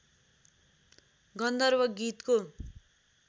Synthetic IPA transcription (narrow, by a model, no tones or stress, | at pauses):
ɡʌnd̪ʌrbʌɡit̪ko